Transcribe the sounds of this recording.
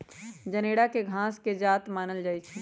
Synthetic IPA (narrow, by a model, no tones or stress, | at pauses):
d͡ʒɐneːɽakeɡʱãːsked͡ʒaːt̪maːnəld͡ʒaːit͡ʃʰɛ